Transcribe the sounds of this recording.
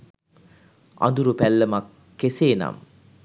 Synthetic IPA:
a̰nd̪uɾupælːəmakː | eseːna̰m

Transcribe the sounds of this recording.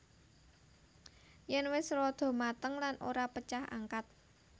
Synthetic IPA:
jɛnwɪsrɔd̪̥ɔ̤mat̪əŋlanʔoɾapət͡ʃaha̰ŋkat̪̚

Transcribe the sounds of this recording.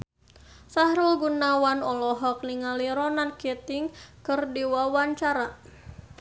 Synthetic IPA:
sahɾulɡunawanɔlɔɦɔk̚niŋaliɾɔnankɛt̪ɪŋkɨrdiwawaɲt͡ʃaɾa

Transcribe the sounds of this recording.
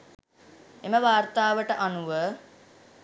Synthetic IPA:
eməʋaːrt̪aːʋəʈəʔanuʋə

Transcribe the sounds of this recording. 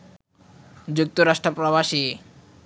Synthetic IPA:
d͡ʑuk̚t̪oɾaʃʈɾopɾoβaʃi

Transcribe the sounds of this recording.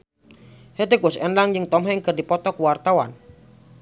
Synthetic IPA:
hed̪ekɔsɛnlaŋjɨŋt̪ɔmɦaŋkərdipɔt̪ɔkuwart̪awan

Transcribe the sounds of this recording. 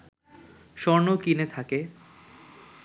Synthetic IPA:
ʃɔɾnokinet̪ʰake

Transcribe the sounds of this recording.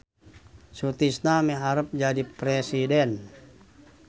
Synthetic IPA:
sut̪isnamɛɦaɾəp̚d͡ʒadipɾɛsidɛn

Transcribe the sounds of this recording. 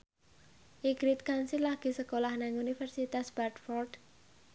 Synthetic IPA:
ʔiɡ̥ɾit̪̚kansilaɡ̥i̤səkolahnaŋunifɛrsit̪asb̥art̪fɔrd̪̥

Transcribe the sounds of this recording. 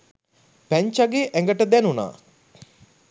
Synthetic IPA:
pæɲt͡ʃaɡeːʔɛŋɡəʈəd̪ænuna̰ː

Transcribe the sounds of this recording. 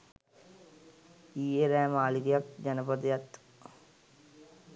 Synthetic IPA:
iːeɾɛːmaːlikjɐk̚d͡ʒɐnəpəd̪jɐt̪

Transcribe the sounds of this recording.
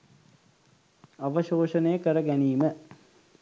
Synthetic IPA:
ɐʋəʃoːʃənejəkəɾəɡæniːmə

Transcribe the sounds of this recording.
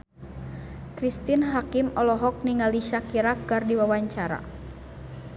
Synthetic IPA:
kɾist̪inɦakimɔlɔɦɔk̚niŋaliʃakiɾakɡardiwawaɲt͡ʃaɾa̰

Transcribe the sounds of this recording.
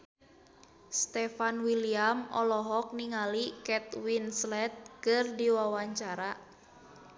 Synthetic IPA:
st̪ɛfanwiliamɔ̰lɔɦɔk̚niŋalikɛt̪winslɛt̪̚kɨrdiwawaɲt͡ʃaɾa

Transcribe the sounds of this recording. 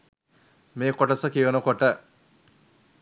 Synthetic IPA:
meːkoʈɐsɐkiʋɐnukoʈə

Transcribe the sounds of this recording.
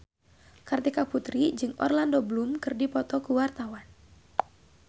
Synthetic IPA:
kart̪ikaput̪ɾid͡ʒɨŋʔɔ̰rlandoblumkɨrdipɔt̪ɔkuwart̪awan

